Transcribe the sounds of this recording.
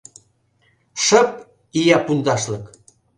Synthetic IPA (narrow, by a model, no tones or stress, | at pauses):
ʃə̆p̚ | ijɑpund̪ɑʃlɤk